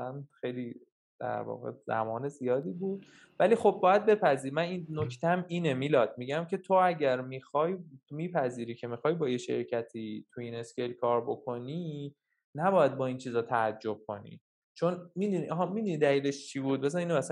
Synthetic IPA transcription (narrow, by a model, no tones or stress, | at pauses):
ænxejli | d̪̥æ̰ɾvɒ̰ːɣḛz̥æ̰mɒːnezijɒːd̪iːbuːd̪̥ | vælixo̞b̚ːɒːjæd̪̚be̞pʰæziːɾimæninnocʰt̪ʰeæmiːnemiːlɒːd̪̥̚miɟæmcʰe̞t̪ʰoæɟæɾmiːxɒːjmiːpʰæziːɾiːcʰe̞mixɒːjbɒːjeʃe̞̰ɾcʰæt̪ʰiːt̪ʰuine̞skʰe̞jlkʰɒːɾbokʰo̞niː | næbɒːjæd̪̚bɒːint͡ʃʰiːzɒːt̪ʰææd͡ʒːob̥̚kʰo̞̰nḭ | t͡ʃʰonmid̪uniʔɒɦɒmid̪unid̪æliːle̞ʃt͡ʃʰibuːd̪̚bes̬æniːnɛæsæ